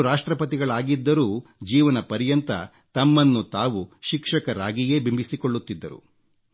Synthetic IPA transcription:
ɾaːʂʈɾɐpɐt̪̬iɡɐɭaːɡid̪ːɐɾuːd͡ʒiːʋɐnɐpɐɾjɐnt̪ɐ̰ | t̪ɐmːɐnːut̪aːʋuʃikʂɐkɐɾaːɡije̞ːbimbʱisikoɭːut̪ːid̪ːɐ̰ɾṵ

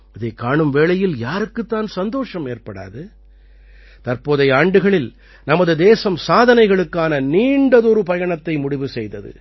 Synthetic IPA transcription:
ɪðɐɪkːaːɳɯmʋeːɭɐjɪljaːɾɯkːɯt̪ːaːnsɐnd̪oːʂɐmeːrpɐɽa̰ːðɯ | t̪ɐrpoːðɐɪaːɳɖɯɣɐɭɪl | nɐmɐðɯd̪eːsɐmsaːðɐnɐɪɣɐɭɯkːaːnɐniːɳɖɐðɔɾɯpɐjɐɳɐt̪ːɐɪmʊɽɪʋɯsɛjðɐðɯ̰

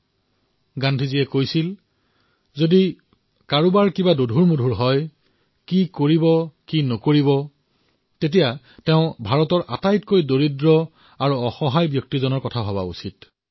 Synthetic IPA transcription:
ɡandʱiziɛkojsil | zodi | kaɹubaɹkibadodʱuɹmudʱuɹɦɔj | kikoɹibɔkinɔkoɹibɔ | tet̬ija | teʊ̃bʱaɹɔtɔɹʔa̰tajtkojdoɹidɹɔ | aɹuɔxɔɦajbjɔk̚tizɔnɔɹkɔtʰaɦɔba̰ṵsit̚

